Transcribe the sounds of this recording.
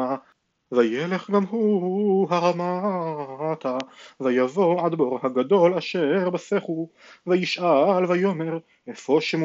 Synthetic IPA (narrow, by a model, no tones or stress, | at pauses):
a | vajele̞χɡamɦuɦaʁama | at̪avajavo̞ʕad̪bo̞ʁhaɡad̪o̞laʃeʁbaseχuvajiʃʔalvajo̞me̞ʁ | efoʃemu